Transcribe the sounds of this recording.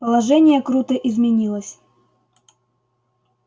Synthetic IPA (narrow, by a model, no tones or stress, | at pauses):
pəlˠɐʐɛnʲɪjəkɾut̪əʔɪzmʲɪnʲilˠəsʲ